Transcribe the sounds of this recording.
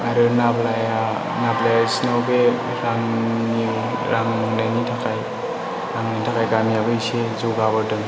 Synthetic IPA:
aɾɯnablaja | naplajasinawbe | ɾaŋniw | ɾaŋnanitʰakʰaj | ɾaŋnajtʰakʰajɡamijabɯjsezuɡabɯdɯŋ

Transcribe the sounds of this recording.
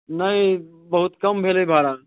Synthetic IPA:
nɐɦĩ | bɐɦʊt̪kɐmbʱeːlebʱaːɾaː

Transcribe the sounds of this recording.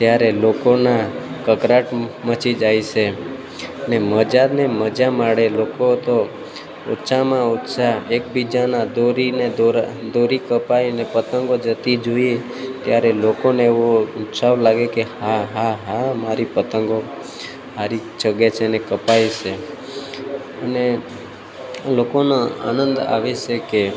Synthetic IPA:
t̪jaɾelokonakəkɾaʈmət͡ʃʰid͡ʒaiʃe | əneməd͡ʒaneməd͡ʒamaɽelokot̪o | o̰tːt͡ʃʰamãott͡ʃaek̚bid͡ʒanad̪oɾined̪oɾd̪oɾikəpajnepət̪əŋɡod͡ʒət̪id͡ʒoje | t̪jaɾelokoneeʋoutsaʋlaɡekehaɦaɦamaɾipət̪əŋɡo | ɦaɾit͡ʃəɡet͡ʃʰenekəpajt͡ʃʰe | əne | lokonoa̰nənd̪a̰ʋet͡ʃeke

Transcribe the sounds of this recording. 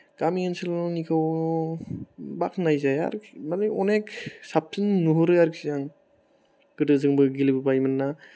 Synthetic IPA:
ɡ̥amiɯnsɯlnikʰaw | bakʰnajzaja̰ɾmaleɔnek̚sap̚sɯnnuɦuɾɯjaɾksizaŋ | ɡ̥ɯdɯzɯŋbɯɡilibɯbajmɯnːa

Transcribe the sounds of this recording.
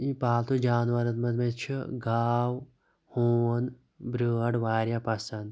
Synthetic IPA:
ĩpaːlt̪od͡ʒaːnʋɐɾɐt̪mɐt̪met͡ʃʰiɡaːw | hoːɐn | bɾəːɖʋaːɾjapɐsɐn

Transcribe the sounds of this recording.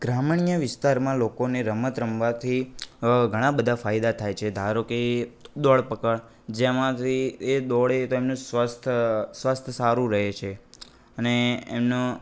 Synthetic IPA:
ɡ̥ɾamɳijəʋɪst̪aɾmãlokoneɾəmət̪ɾəmʋat̪ʰiɡʱəɽ̃ãbəd̪ʱafajd̪at̪ʰajt͡ʃʰed̪ʱaɾokid̪ɔɭpəkəɭ | d͡ʒemãt̪ʰied̪ɔɭet̪oemnũsʋəst̪ʰsʋast̪ʰsaɾũɾəɦet͡ʃʰe | əneːmno

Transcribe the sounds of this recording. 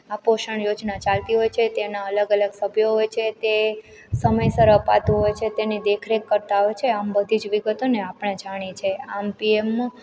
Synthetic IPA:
apoʃəɳjod͡ʒnat͡ʃalt̪iɦojt͡ʃʰet̪enaələɡələɡsəbʱjoɦojt͡ʃʰet̪e | səməjsəɾəpa̰t̪ũɦojt͡ʃʰet̪enid̪ekʰɾekːəɾt̪aɦojt͡ʃʰeambəd̪ʱid͡ʒʋiɡət̪oneapɳ̃ed͡ʒaɽ̃it͡ʃʰeampiemː

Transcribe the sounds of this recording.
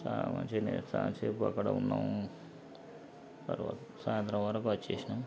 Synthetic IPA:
salamɐ̰ɲt͡ʃenesaːt͡ʃeːpuɐkːɐɽɐ̰unːaːm | t̪ɐɾʋaːt̪ | saːjɐnt̪ɾɐʋʋɐɾɐkuɐt͡ʃːeːsina

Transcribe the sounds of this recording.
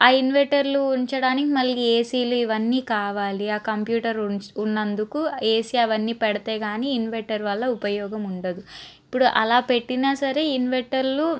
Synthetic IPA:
aːinʋeɳʈɐɾluuɲt͡ʃɐɽaːnikimɐlːieːsiːluiʋɐnːiːkaːʋaːliaːkɐmpjuːʈɐɾunːɐnd̪ukueːsiɐʋɐnːiːpɛɽɐt̪eːɡaːniːnʋeɳʈɐɾʋɐlːɐupɐjɔːɡɐmuɳʈɐd̪uipːuɽuʔɐlaːpe̞ʈːinaːsɐɾe̞ːinʋeɳʈɐɾlu

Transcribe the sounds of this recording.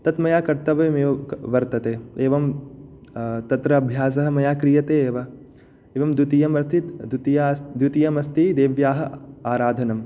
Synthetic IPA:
t̪ɐt̪mɐjaːkɐɾt̪ɐʋɐmeːʋɐʋɐɾt̪ɐt̪eːeːʋɐm | t̪ɐt̪ɾɐːbʱjaːs̬ɐɦɐ̆mɐjaːkɾijɐt̪eːeːʋɐ | eːʋɐmd̪ut̪ijɐmɐt̪ʰid̪ut̪ijad̪ut̪ijɐmɐst̪id̪eːʋjaːɦɐaːɾaːd̪ʱɐnɐm

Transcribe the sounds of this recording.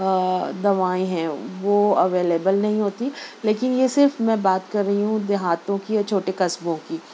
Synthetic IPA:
d̪ɐʋaːẽɦɛ̃ːʋoːɐʋeːleːbəlnɐɦĩɦoːt̪ileːkɪnjesɪɾfmɛ̃ːbaːt̪kɐɾːɐɦiɦũd̪ɪɦaːt̪õkijat͡ʃʰoːʈekɐsbõkiː

